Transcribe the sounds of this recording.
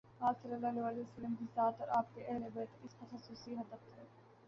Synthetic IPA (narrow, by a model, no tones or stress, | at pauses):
aːlsɐlːəlːɐleʋalesɐləmkisaːt̪ɔːɾaːp̚keʔɛɦlebɛːt̪ɪspɐxɐsuːsiɦɐd̪əft̪ʰɛː